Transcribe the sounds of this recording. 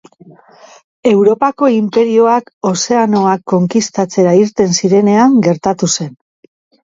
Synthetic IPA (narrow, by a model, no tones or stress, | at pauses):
e̞wɾo̞pako̞impe̞ɾio̞ako̞se̞ano̞akːo̞ŋkist̪at͡se̞ɾaiɾt̪e̞nsiɾe̞ne̞aŋɡe̞ɾt̪at̪use̞n